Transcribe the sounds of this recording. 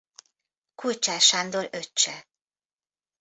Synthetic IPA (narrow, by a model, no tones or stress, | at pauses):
kʰult͡ʃaːʃand̪oløt͡ʃːɛ